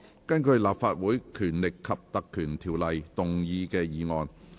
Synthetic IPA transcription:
kɐ˥nkɵ˧ɥlaː˨pfaː˧t̚wuː˨˥jkʰyː˨˩nlɪ˨kʰːɐ˨p̚t̪ɐ˨kʰːyː˨˩nt̪ʰiː˨˩wlɐ˨jt̪ʊ˨ŋjiː˧kɛː˧jiː˨˧ŋɔː˨˧n

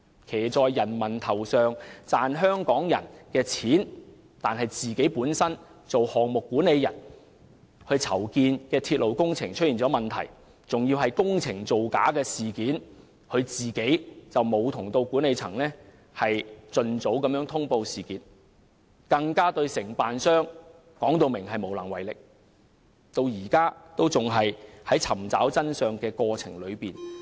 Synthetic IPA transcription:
kʰe˨˩jt͡sɔː˨˧jːɐ˨˩nmɐ˨˩nt̪ʰɐ˨˩wsœː˨˧ŋt͡saː˨nɦœː˥ŋkɔː˨˥ŋjɐ̰˨˩nkɛː˧t͡sʰiː˨˥n | t̪aː˨nɦɐ˨jt͡siː˨ke˨˥jpuː˨˥nsɐ˥n | t͡so˨whɔː˨˩ŋmʊ˨kːuː˨˥nːe˨˧jɐ̰˨˩n | hɵ˧ɥt͡sʰɐ˨˩wkiː˧nkɛː˧t̪ʰiː˧t̚lo˨˩wkʊ˥ŋt͡sʰɪ˨˩ŋt͡ʃʰɵ˥t̚jiː˨˩nt͡sɔː˨˥mɐ˨nt̪ʰɐ̰˨˩j | t͡sʊ˨ŋjiː˧wɦɐ˨jkʊ˥ŋt͡sʰɪ˨˩ŋt͡so˨wkaː˨˥kɛː˧siː˨˩kiː˨˥n | kʰɵ˨˧ɥt͡siː˨ke˨˥jt͡sɐ˨wmo˨˧wt̪ʰʊ˨˩ŋt̪o˧wkuː˨˥ne˨˧jt͡sʰɐ̰˨˩ŋlɛː˥ | hɐ˨jt͡sɵ˧nt͡so˨˥wkɐ˨˥mjœː˨˥ŋt̪ʰʊ˥ŋpo˧wsiː˨˩kiː˨˥n | kɐ˧ŋkaː˥t̪ɵ˧ɥsɪ˨˩ŋpaː˨nsœː˥ŋ | kɔː˨˥ŋt̪o˧wmɪ˨˩ŋɦɐ˨jmo˨˩wlɐ˨˩ŋwɐ˨˩jlɪ˨k̚ | t̪o˧wjiː˨˩kaː˥t̪o˥wt͡sʊ˨ŋɦɐ˨jhɐ˨˥jt͡sʰɐ˨˩mt͡sa̰ː˨˥wt͡sɐ˥nsœː˨ŋkɛː˧kɔː˧t͡sʰɪ̰˨˩ŋlɵ˨˧ɥpiː˨n

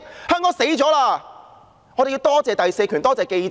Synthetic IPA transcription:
hœː˥ŋkɔː˨˥ŋse˨˥jt͡sɔː˨˥laː˧ | ŋː˨˧ɾe˨jiː˧wt̪ɔː˥t͡sɛː˨t̪ɐ˨jse˧jkʰyː˨˩nt̪ɔː˥t͡sɛː˨ke˧j

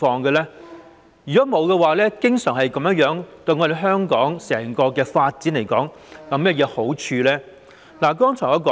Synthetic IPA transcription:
fɔː˧ŋɡɛ˧lɛː˥ | jy˨kɔː˨˥mo˨˧wkɛ˧waː˨lɛː˥kɪ˥ŋsœː˨˩ŋhɐ˨jkɐ˨˥mjɐ˥jœː˨˥ŋt̪ɵ˧ɥŋɔː˨˧d̪e˨˧jɦœː˥ŋkɔː˨˥ŋsɛː˨˩ŋkɔː˧kɛː˧faː˧t̚t͡si˨˥nle˨˩jkɔ̰ː˨˥ŋ | kɐ˨˧mɛ˥jɛː˨˧ho˨˥wt͡ʃʰyː˧lɛː˥ | laː˨˩kɔː˥ŋt͡ʃʰɔː˨˩jɐ˨˧kɔː˨

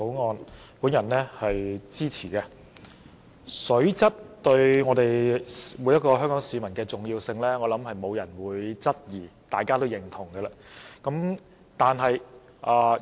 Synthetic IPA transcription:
o˨˥wŋɔː˧n | puː˨˥njɐ˨˩nɛː˥hɐ˨jt͡siː˥t͡sʰiː˨˩kɛ˧ | sɵ˨˥ɥt͡sɐ˥t̚t̪ɵ˧ɥŋɔː˨˧t̪e˨jwuː˨˥jɐ˥t̚kɔː˧hœː˥ŋkɔː˨˥ŋsiː˨˧mɐ˨˩nkɛː˧t͡sʊ˨ŋjiː˧wsɪ˧ŋlɛː˥ŋɔː˨˧lɐ˨˥mhɐ˨jmo˨˧wjɐ˨˩nwuː˨˧˥jt͡sɐ˥t̚jiː˨˩t̪aː˨jkaː˥t̪o˥wjɪ˨˩ŋt̪ʰʊ˨˩ŋɡɛː˧laː˧kɐ˨˥m | t̪aː˨nɦɐ˨j | ʔaː˨˩

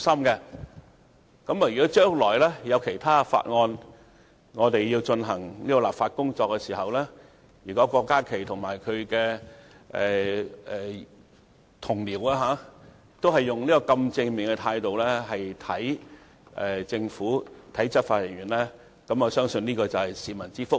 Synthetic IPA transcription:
sɐ˥mkɛ˧ | kɐ˨˥mːɐ˨jɥyː˨˩kɔː˨˦˥t͡ʃœː˥ŋlɔː˨˩jlɛː˥jɐ˨˧wkʰe˨˩jt̪ʰaː˥fa̰ː˧t̚ŋɔː˧n | ŋɔː˨˧t̪e˨jjiː˧wt͡ʃɵ˧nɦɐ˨˩ŋniː˥kɔ˧laː˨p̚faː˧t̚kʊ˥ŋt͡ʃɔː˧kːɛ˧siː˨˩hɐ˨wlɛː˥ | jyː˨˩kɔː˨˥kɔː˧kːaː˥kʰe˨˩jt̪ʰʊ˨˩ŋmaː˨˩jkʰɵ˨˧ɥkɛ˧ | ʔɛ˨ɛ˨˩ | t̪ʰʊ˨˩ŋliː˨˩waː˧ɦaː˨˥ | t̪o˥wɦɐ˨jːʊ˨ŋniː˥kɔː˧kɐ˧mt͡sɪ˧ŋmɪ˨ŋkɛ˧t̪ʰaː˧jt̪o˨wlɛː˥ɦɐ˨jt̪ʰɐ˨˥j | ʔɛ˨˩t͡sɪ˧ŋfuː˨˥t̪ʰɐ˨˥jt͡sɐ˥t̚faː˧t̚jɐ˨˩ŋɥyː˨˩nlɛː˥ | kɐ˨˥mɔː˨˧sœː˥ŋsɵ˧niː˥kɔː˧t͡sɐ˨˩whɐ˨jsiː˨mɐ˨˩nt͡siː˥fʊ˥k̚

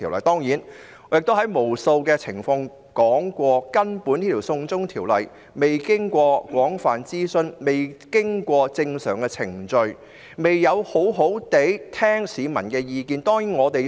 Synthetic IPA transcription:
i˨wlɐ̰˨jt̪ɔː˥ŋjiː˨˥n | jɪ˨k̚t̪o˥wɦɐ˨˥jmo˨˩wso˧wkɛː˧t͡sʰɪ˨˩ŋfɔ˧ŋ | kɔː˨˥ŋkʷɔː˧kɐ˥npuː˨˥nt̪iː˥t̪ʰiː˨˩wsʊ˧ŋt͡sʊ˥ŋt̪ʰiː˨˩wlɐ̰˨˩j | me˨jkɪ˥ŋkʷɔː˧kʷɔː˨˥ŋfaː˨nt͡siː˥sɵ˧nme˨jkɪ˥ŋkʷɔː˧t͡sɪ˧ŋsœː˨˩ŋkɛ˧t͡sʰɪ˨˩ŋt͡ʃɵ˧ɥ | me˨jːɐ˨˧who˨˥wɦo˨˥wt̪e˨˥jt̪ʰɛː˥ŋsiː˨˧mɐ˨˩nkɛː˧jiː˧kiː˧nt̪ɔː˥ŋjiː˨˥nŋɔː˨˧t̪e˨j

